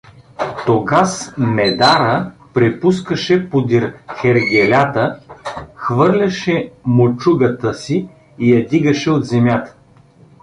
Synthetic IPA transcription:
t̪oɡasmɛd̪aɾəpɾɛpuskəʃɛpod̪iɾxɛɾɡʲɛlʲat̪ə | xvɤɾlʲɐʃɛmot͡ʃuɡət̪əsiː | jɐd̪iɡəʃɛot̪zɛmjat̪ə̥

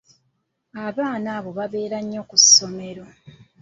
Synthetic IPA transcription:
aβaːnaβo̞βaβe̞ːɾaɲːo̞kusːo̞me̞ɾo̞

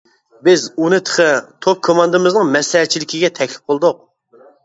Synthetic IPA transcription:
bɪzunɨt̪ʰə̥χʰət̪ʰop̚kʰomɑnd̪ɨmɪznɨŋmɛslɛɦɛtt͡ʃʰilɪkʲiɡʲɛt̪ʰɛkʲlɪ̥p̚qolˠd̪ʊq̚

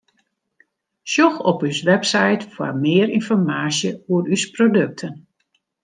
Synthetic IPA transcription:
ʃjoxɔpysʋɛpsajtfwa̰mɪəɾinfɔrmaːsjəuəɾysprodøk̚tʰən

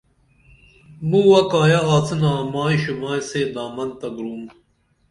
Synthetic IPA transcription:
muːwɐkaːjaɦaːt͡sʰɨnaːmaːiʃumaːseːd̪aːmɐnt̪ɐɡɾuːm

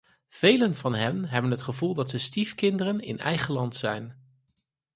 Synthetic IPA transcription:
v̥ejlənvɑnɦɛnɦɛbənɦətχəvulˠdɑtsəstifkɪndərənɪ̰nɛ̰jχəlɑntsɛjn

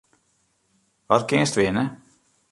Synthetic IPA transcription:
ʋɑt̪kɪst̪ʋɪnə

